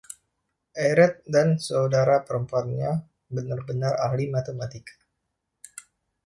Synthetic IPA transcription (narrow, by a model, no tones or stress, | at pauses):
ʔaɾɛt̪̚dansəudaɾapəɾəmpuanɲa | bənarbənara̰hlimat̪əmat̪ika